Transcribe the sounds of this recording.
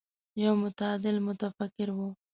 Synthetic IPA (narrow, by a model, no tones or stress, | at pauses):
jawmʊt̪aɑːd̪ɪlmʊt̪afakɪɾwu